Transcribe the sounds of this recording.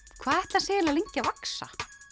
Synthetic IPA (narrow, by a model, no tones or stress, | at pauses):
kʰv̥aːðɛht̪lasɛːɣɪlaleɲcavaksa̰